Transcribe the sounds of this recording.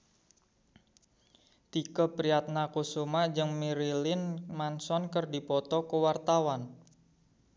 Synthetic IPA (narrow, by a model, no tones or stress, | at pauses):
t̪ikəpɾiat̪̚nakusumad͡ʒɨŋmiɾilɪnmansɔnkərdipɔt̪ɔkəwart̪awan